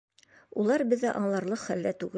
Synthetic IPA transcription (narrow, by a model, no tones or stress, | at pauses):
ulˠɑɾbɘ̆ðːæʔɒɴlˠɑɾlˠɤqχæld̪æt̪ʉɡɘ